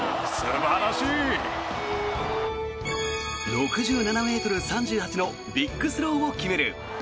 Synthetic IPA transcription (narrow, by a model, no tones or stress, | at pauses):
sɨɾebaɾaɕiː | ɾo̞kɯ̟ʑɨːnaname̞ːt̪o̞ɾɯ̟sãɲ̟d͡ʑɨːhat͡ɕino̞ | bʲikːɯ̟sɨɾo̞ːokʲime̞ɾɯ̟̰